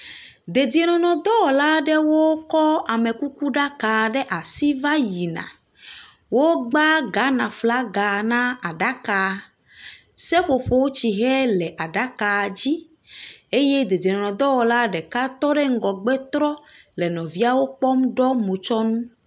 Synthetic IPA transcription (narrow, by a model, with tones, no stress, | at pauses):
d̪e˨d̪i˨e˨nɔ̃˨nɔ̃˨d̪ɔ˦wɔ˨la˦ɖɛ˦wo˦kɔ˦a˨me˨ku˦ku˦ɖa˦ka˨ɖɛ˦ʔa˨si˦va˦ji˨nã̰˨ | wo˦ɡ͡ba˦ɡa˨˦nã˨fla˦ɡa˨nã˦a˨ɖa˦ka˨ | sɛ˦ɸo˨ɸo˨wo˦t͡ɕi˨ɦɛ˦lɛ˨ʔa˨ɖa˦ka˨d͡ʑi˦ | e˦jɛ˦d̪e˨d̪i˨e˨nɔ̃˨nɔ̃˨d̪ɔ˦wɔ˨la˦ɖɛ˨ka˦t̪ɔ˦ɖɛ˦ŋ̩˦ɡɔ˨ɡ͡bɛ˦t̪ɾɔ˦lɛ˨nɔ̃˨vi˦a˦wo˦k͡pɔ˦m˦ɖɔ˦mõ˨t͡ʃɔ˦nũ˦